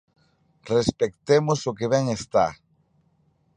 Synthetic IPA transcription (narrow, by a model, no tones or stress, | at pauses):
respek̚t̪emosokeβɛŋest̪a̰